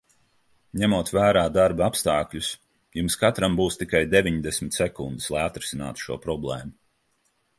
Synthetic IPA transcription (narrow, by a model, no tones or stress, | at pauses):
ɲæmuɔt̪væːɾaːd̪aɾbapst̪aːkʎʲus | jumskat̪ɾambuːst̪ikajd̪evʲiɲd̪esʲmʲɪt̪sɛkund̪islˠajat̪ɾɪsʲina̰ːt̪u̥ʃuɔpɾɔblˠɛ̰ːmu